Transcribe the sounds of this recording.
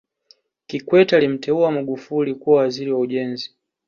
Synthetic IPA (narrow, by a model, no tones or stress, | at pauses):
kikwɛtalim̩tɛuamaɡufulikuwawaziɾiwauʄɛnzi